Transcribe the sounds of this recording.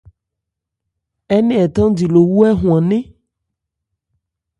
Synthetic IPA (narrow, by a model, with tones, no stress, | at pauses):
ɛ˦nẽ˦ɛ˨t̪ã˦di˨lo˨wu˦ɛ˦ɦũ˨ã˨nẽ˦